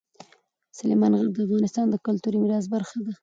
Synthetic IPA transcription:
sʊlemɑnɣaɾ̚d̪əafɣɑnɪst̪ɑnd̪əkʊlt̪uɾimɪɾɑz̬baɾxad̪a

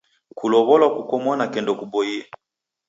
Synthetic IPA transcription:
kulɔβɔlwakukɔmɔnakɛndɔkubɔia

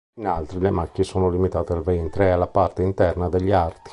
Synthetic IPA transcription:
inalt̪ɾilemakːiesoːnolimit̪aːt̪ealvɛnt̪ɾealːapart̪eint̪ɛrnad̪eʎːart̪i̥

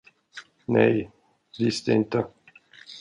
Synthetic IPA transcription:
nɛ̰j | visd̪ɛɪnt̪ə

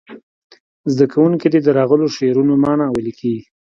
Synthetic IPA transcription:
zd̪akʰawuŋkid̪ed̪əɾɑɣəloʃeɾunomɑnɑwəlikʰeɡi

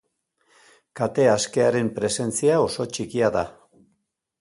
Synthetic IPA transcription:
kat̪e̞aske̞aɾe̞mpɾe̞se̞nt͡siao̞so̞t͡ʃikiaða̰

